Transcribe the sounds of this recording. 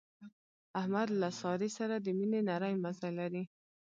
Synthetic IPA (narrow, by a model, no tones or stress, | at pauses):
ahmad̪lasɑɾisaɾad̪əminenaɾajmazajlaɾi